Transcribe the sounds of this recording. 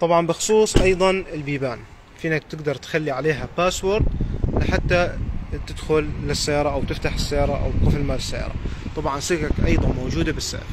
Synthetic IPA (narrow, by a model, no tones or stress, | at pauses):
t̪ˤɑbʕɑnbɪxʊ̥sˤuːsˤʔɑjðˤɑnɪlbiːbaːn | fiːnak̚t̪ɪɡd̪ɑɾˤt̪xalːiʕaleːɦapaːswoɾd̪lɪħat̪ːat̪ɪd̪xʊlːɪsːajɑːɾˤɑʔawt̪ɪft̪aħɪsːajɑːɾˤɑʔa̰w̪qʊfɪlmaːlɪsːa̰jɑ̰ɾˤɑ̰t̪ˤɑbʕɑnsɪkakʔɑ̰jðˤɑnmowd͡ʒuːd̪abɪsːa̰ːf